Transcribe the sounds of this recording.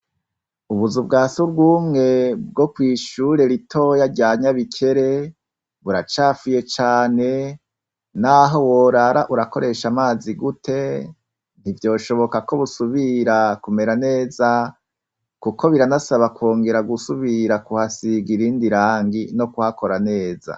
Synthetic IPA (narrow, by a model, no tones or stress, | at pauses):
uβuzub̚ɡaːsuɾɡuːmŋe̞bɡo̞kwiːʃuɾe̞ɾitʰo̞jaɾɟaːɲaβikʰe̞ɾe̞ | βuɾat͡ʃaːfuje̞t͡ʃaːne̞ | naɦo̞woɾaɾaʔuɾako̞ɾe̞ʃamaːziɡutʰe̞ | n̥ivjo̞ːʃo̞βo̞kako̞βusuβiɾakume̞ɾane̞ːza | kukʰo̞βiɾanasaβakwoːŋɡe̞ɾaɡusuβiɾakuhasiɡiɾiːndiɾaːŋɡino̞kuhako̞ɾane̞ːza̰